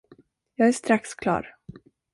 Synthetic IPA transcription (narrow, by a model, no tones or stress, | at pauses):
jɑːɡæʂt̪ɾakskʰlɑ̰ːɾ